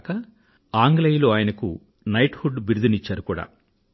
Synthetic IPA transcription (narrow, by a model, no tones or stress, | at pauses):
kɐ | aːŋɡlejloaːjɐnɐkṵ | nɐjʈfuɖbiɾd̪unit͡ʃːaːɾukuːɽa̰ː